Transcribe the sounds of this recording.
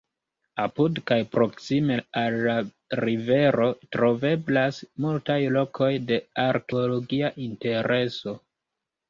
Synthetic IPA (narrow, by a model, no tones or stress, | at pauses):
apudkajpɾo̞ksime̞alːa | ɾive̞ɾo̞tɾo̞ve̞blasmultajlo̞kʰo̞jde̞aɾkeolo̞ɡiaʔinte̞ɾe̞so̞